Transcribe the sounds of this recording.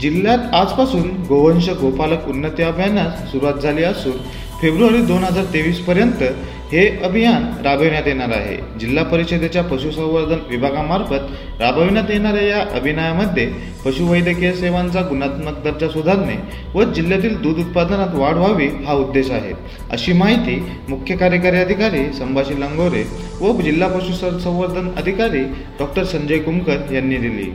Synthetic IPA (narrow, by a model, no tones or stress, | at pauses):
d͡ʑilːjat̪ad͡zpasuːnɡoʋənɕəɡopaləkunːət̪jəəbʱjanjat͡ssuɾuʋat̪̚d͡zʱaliːasuːn | febɾuʋaɾiːd̪onɦəd͡zaɾt̪eʋiːspəɾjənt̪ə | heəbʱijanɾabʱəʋiɳjat̪jeɽ̃aɾa̰ɦḛ | d͡ʑilːapəɾised̪ʱet͡ɕjapəɕusə̃w̃ʋəd̪ʱənʋibʱaɡamaɾfət̪ | ɾabʱəʋinjat̪jeɳ̃aɾjajaʔəbʱinajaməd̪ʱːje | pəɕuʋəjd̪ekeseʋant͡saɡunat̪mək̚d̪əɾd͡ʑasud̪ʱaɾne | ʋəd͡ʑiljat̪iːld̪uːd̪ut̪̚pad̪ənat̪ʋaɽ̤ʋaʋiːɦaud̪ːeɕaɦḛ | ə̰ɕiːmaɦit̪iː | mukʰjəkaɾjəkaɾiəd̪ʱikaɾiːsəmbʱaɕiːləŋɡoɾe | ʋəd͡ʑilːapəɕusəsə̃w̃ʋəɾd̪ʱənə̰d̪ʱikaɾiː | ɖɔk̚ʈəɾsəɲd͡ʑəjkumkət̪janːiːd̪ilḭː